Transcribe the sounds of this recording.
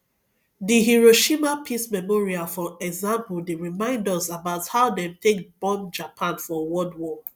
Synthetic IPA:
diɦiɹoʃimapʰismɛmɔɹiafɔɛɡzãmpldeɹimãɪ̃ndɔsabaʊthaʊdɛ̃mtʰekb̥ɔ̃nd͡ʒapʰãnfɔwɔdwɔ

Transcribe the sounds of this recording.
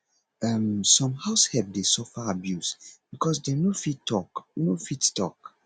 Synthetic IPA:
amsɔ̃mhaʊshɛb̚desɔfaabjusb̥ikʰɔsdenofitːɔknofittɔ̰k

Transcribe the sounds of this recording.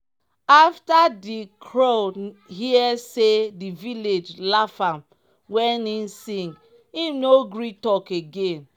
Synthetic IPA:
aftadikʰɹohiɛsediviled͡ʒlafãm | wɛ̃ninsĩŋɡ | imnoɡɹitɔkeɡẽn

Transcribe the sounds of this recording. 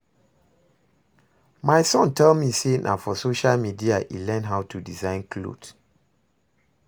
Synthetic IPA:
maɪsɔ̃ntʰɛlmisenʔa̰fɔsoʃalmidiaʔḭlɛ̃nɦaʊtʰudizãɪ̃nkʰlo̰d

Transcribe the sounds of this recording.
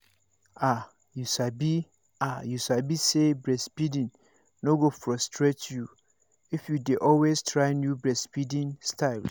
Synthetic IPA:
a | jusabi | ajusabisebɹɛspidĩnː | oɡofɾɔstʰɹetʰju | ifjudeʔɔlwestʰɹaɪnjubɹɛspidĩnstʰaɪl

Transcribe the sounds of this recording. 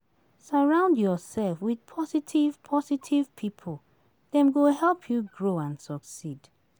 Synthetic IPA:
səɹãʊ̃ndjɔsɛlfwið̥pʰɔsitʰiv̥pʰɔsitʰiv̥pʰipʰol | ðɛ̃mɡoɦɛlˠpʰjuɡɹoãnsɔksid̥

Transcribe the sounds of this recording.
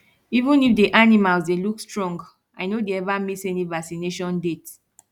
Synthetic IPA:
ivũnifdeʔanimalzdelukstɹɔ̃ŋɡ | aɪnodeɛvamisɛnivaksineʃɔ̃ndet

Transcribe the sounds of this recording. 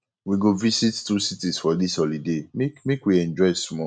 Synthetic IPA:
wiɡovisittusitisfɔdishɔlidemekmekwiɛ̃nd͡ʒɔɪsmɔ

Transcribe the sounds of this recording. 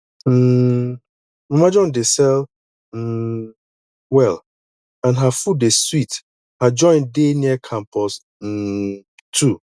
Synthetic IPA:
m̩ː | mãmad͡ʒɔ̃ndesɛl | m̩ː | wɛl | ãnɦafudeswit | had͡ʒɔ̃ɪ̃ndeniɛkʰãmpʰɔs | m̩ː | tʰu

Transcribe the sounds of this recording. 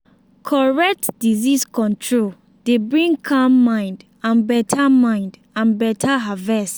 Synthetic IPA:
kʰɔɹɛk̚tdiziskɔ̃ntʰɹol | d̥ebɹĩŋkʰamːãɪ̃nd | ãnbɛtʰamãɪ̃nd | ãnbɛtʰaɦavɛst

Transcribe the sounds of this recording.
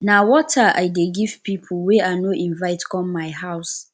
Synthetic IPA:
nawɔtʰaʔa̰ɪdeɡiv̥pʰipʰuweanoʔĩnvaɪtkʰɔ̃mːaɪɦaʊs

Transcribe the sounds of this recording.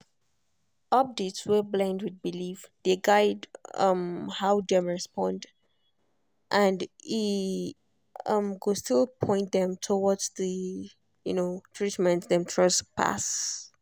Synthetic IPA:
ɔp̚detswəblãndwid̚bilivðeɡaɪdʌ̰̃mhaʊdɛ̃mɹɛspɔ̃nd | ʔãndi | ʌ̃mɡostilˠpʰɔ̃ɪ̃ntdɛ̃mtʰowɔdzðə | junotʰɹitmɛ̃ntðɛ̃mtʰɹʌspʰa̰s

